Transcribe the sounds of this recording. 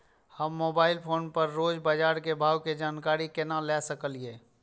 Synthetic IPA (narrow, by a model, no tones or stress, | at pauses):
həmːoːbaːɪlpʰoːnpəɾːoːd͡ʒbaːd͡ʒaːɾkebʱaːwked͡ʒaːnkaːɾikenalɛsəkəlieː